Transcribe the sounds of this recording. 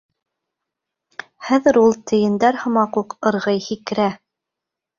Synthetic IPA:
χæðɘ̆ɾulˠt̪ʰɘ̆jɘ̆nd̪æɾhɤ̆mɑquqɤ̆ɾʁɤjhik̆ɾæ

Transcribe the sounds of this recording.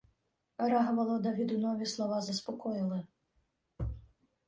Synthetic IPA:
ɾaɣɐvɐlˠɔd̪ɐvʲid̪unɔvʲislˠɔvazɐspɔkʰɔjilˠɐ

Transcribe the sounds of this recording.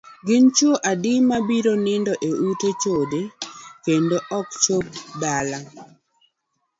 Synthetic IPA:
ɡɪnt͡ʃoʔadɪmabiɾonɪndɔʔeutot͡ʃodekendoʔɔk̚t͡ʃop̚dala

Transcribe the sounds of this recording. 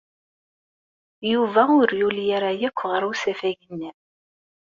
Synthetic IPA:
juvæʊɾjuljaɾajækʷːʁəɾˤusæfæʝənːi

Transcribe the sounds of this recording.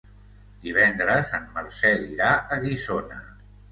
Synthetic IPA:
d̪̥iβɛnd̪ɾəzanməɾsɛliɾaʔəɣizonə

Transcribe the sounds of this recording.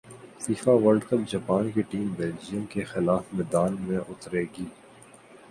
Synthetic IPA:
fiːfaʋəlɖkəp̚d͡ʒɐpaːnkeʈiːmbeːld͡ʒijə̃mkexɪlaːfmɛːd̪aːnmẽʔʊt̪ɾeːɡiː

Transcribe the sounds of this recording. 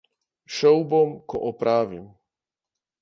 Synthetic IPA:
ʃɔwbɔmkɔ̰ʔɔpɾaːʋḭm

